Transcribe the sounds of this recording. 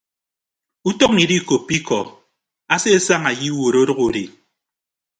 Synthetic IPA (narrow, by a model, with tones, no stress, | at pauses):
u˦tɔ˦k̚ni˨di˦˨ko˨pːi˦kɔ˨ | a˦se˦e˦sa˦ŋa˨ji˦wo˨ɾo˦dɔ˦ɣo˨ɾi˨